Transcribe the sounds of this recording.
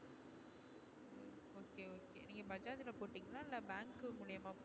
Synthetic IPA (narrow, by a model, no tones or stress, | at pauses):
oːkeːoːkeːniːŋɡɐbɐd͡ʒaːt̪ɪlɐpoːʈːiːŋɡɐlãːɪlːɐbaːŋkɯmʊɭɐjɐmaːp